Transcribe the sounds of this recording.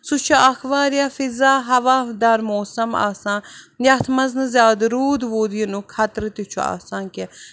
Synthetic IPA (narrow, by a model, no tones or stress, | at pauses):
sut͡ʃʰaʔɐxʋaːɾjafizaːɦɐʋaːd̪aːɾmoːsɐma̰ːsãːn | jaːt̪ʰmɐznɨzʲjaːd̪ɾuːd̪ʋoːd̪jinukʰɐt̪ɾɨt̪it͡ʃʰua̰ːsãːnke